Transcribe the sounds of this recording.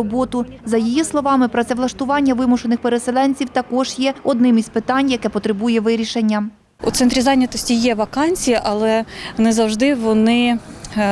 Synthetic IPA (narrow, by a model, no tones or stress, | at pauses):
ɔbɔt̪ʊzɐjijislˠɔʋɑmɪpɾɔt̪sɛʋlˠɐʃt̪ʊʋɑnʲːɐʋɪmʊʃenɪxpeɾeselˠɛnʲt͡sʲiwt̪ɐkɔʒjɛɔd̪nɪmispɪt̪ɑnʲjɐkɛpɔt̪ɾebujɛʋɪɾʲiʃenʲːɐ | ṵt̪ɛnt̪ɾʲizɑnʲɐt̪ɔsʲtʲijɛʋɐkɑnʲt͡sʲijiʔɐlˠɛnɛzɐwʒd̪ɪʋɔnɪ